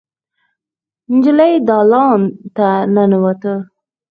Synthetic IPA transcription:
nd͡ʒɪlajd̪ɑlɑnt̪ananwat̪ə

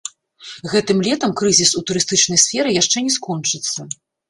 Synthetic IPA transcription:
ɣɛt̪ɨmlʲɛt̪ɐmkɾɨzʲisut̪uɾɨst̪ɨt͡ʂn̪ɐjsʲfʲɛɾɨjaʂt͡ʂɛnʲɛskɔnt͡ʂɨt̪sːɐ

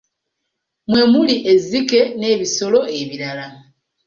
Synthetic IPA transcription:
mwe̞muliʔezike̞ne̞ːβiso̞lo̞e̞βiɾala

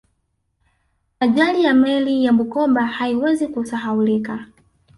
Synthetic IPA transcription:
aʄalijamɛlijamukɔɓahaiwɛzikusaɦaulika

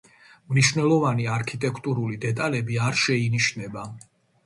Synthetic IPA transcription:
mniʃvnɛlˠɔvaniaɾkʰit̪ʼɛkʰt̪ʼuɾulid̪ɛt̪ʼalɛbiaɾʃɛiniʃnɛba

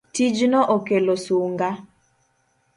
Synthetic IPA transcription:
tid͡ʒnɔʔokelosuŋɡa

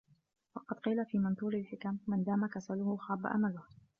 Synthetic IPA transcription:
wɑqɑd̪qiːlafiːmɑnt̪ˤuːɾɪlħɪkamːɪnd̪aːmakasalʊhʊxɑːba̰ʔa̰malʊh

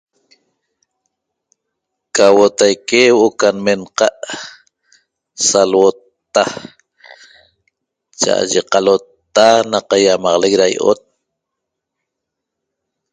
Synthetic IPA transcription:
kawot̪ajkewʔokanmenqɑʔ | salwot̪ː | a | t͡ʃa̰ʔa̰ʒeqɑlot̪ːanaqajamɑʁlek̚ɾajʔo̰t̪̚

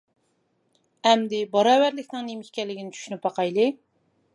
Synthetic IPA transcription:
ɛmd̪ɪbɑɾɑːwæɾlɪkʲnɪŋnemɪʃʲkʲɛlːɪɡʲinɪt͡ʃʰy̥ʃynyp̚ɑqɑjlˠɨ

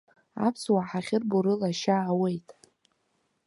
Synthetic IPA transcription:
a̰pʰswaħaχʲɪrbuɾɨlaʃaːwe̞jtʼ

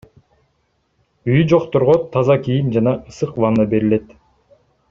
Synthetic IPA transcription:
yjyd͡ʒo̞qt̪oɾʁot̪ʰɑzɑkijimd͡ʒɑnɑɯsɯqvɑnɯbe̞ɾile̞t̪

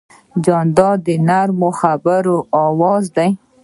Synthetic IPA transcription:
d͡ʒɑnd̪ɑd̪ənaɾmoxabaɾoʔɑwɑzd̪aj

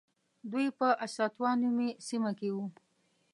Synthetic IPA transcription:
d̪ujpəʔasɑt̪wɑnumesimakewu

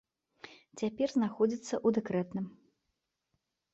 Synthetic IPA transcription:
t͡sʲapʲɛrznaxɔd͡zʲit̪sːɐʔud̪ɛkɾɛt̪nɨm

